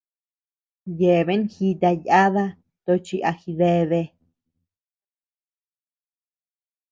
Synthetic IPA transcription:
je˨βe˦nxi˧t̪a˧ja˦ða˦ | t̪o˧t͡ʃi˧ʔa˧xi˧ðe˧ðe˧

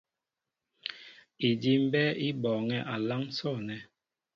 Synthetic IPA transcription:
i˨di˦m̩˦bɛ˦i˦bɔː˨ŋɛ˦ʔa˨la˦ŋ˦sɔ˦˨nɛ˨

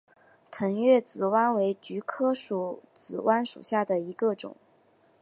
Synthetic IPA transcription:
t̪ʰə˧˥ŋɥɛ˥˩t͡sɹ̩˨˩wa˥nwe˧˥ɪt͡ɕy˧˥kʰɤ˥ʂu˨˩t͡sɹ̩˨˩wʔa˥nʂṵ˨˩ɕja˥˩d̪ə˩i˧˥ɡə˧ʈ͡ʂʊ̰˨˩˦ŋ

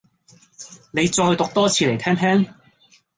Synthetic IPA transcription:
ne˨˧jt͡sɔː˧jt̪ʊ˨k̚t̪ɔː˥t͡sʰiː˧le˨˩jtʰɛː˥ŋt̪ʰɛː˥ŋ

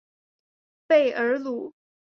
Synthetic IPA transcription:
pe˥˩ɪʔə˧˥lu˧˥

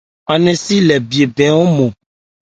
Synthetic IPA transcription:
a˨nɛ̃˨si˦lɛ˨bi˨e˨bɛ˨˦wo˦mɔ̃˨

